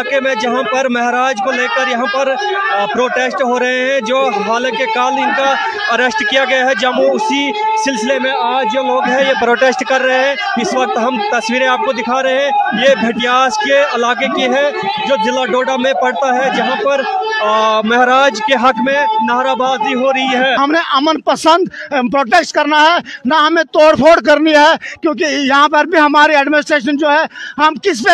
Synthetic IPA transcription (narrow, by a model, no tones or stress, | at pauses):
aːkemẽd͡ʒɐɦãpɐɾmɐɦɾaːd͡ʒkoleːkəɾjɐɦãpɐɾ | pɾoːʈesʈɦoɾɐɦeɦɛ̃d͡ʒoːɦaːləkekaːlɪnka | ɐɾɛsʈkijaɡɐjaɦɛd͡ʒɐmoʊsi | sɪlsɪlemẽaːd͡ʒjoloːɡɦɛ̃jepɾoːʈeːsʈkɐɾːɐɦeɦɛ̃ | ɪswɐk̚t̪ɦɐmt̪ɐswiːɾẽaːp̚kod̪ɪkʰaɾɐɦeɦɛ̃jebʱeʈijaːskeɐlaːkekiɦɛd͡ʒoːd͡ʒɪlːaɖoːɖamẽpɐɽt̪aɦɛd͡ʒɐɦãpɐɾ | mɐɦɾaːd͡ʒkeɦɐkmẽnaːɾabaːd̪iɦoɾɐɦiɦɛːɦɐmneʔəmənpəsə̃nd̪pɾoːʈeːsʈkɐɾnaɦɛnaɦɐmẽt̪oːɽpʰoːɖk̬ɐɾniɦɛkjõːk̬ijɐɦãpɐɾbʱiɦɐmaːɾiɛːɖmɪnɪs̬ʈɾeːʃənd͡ʒoːɦɛɦɐmkɪs̬pe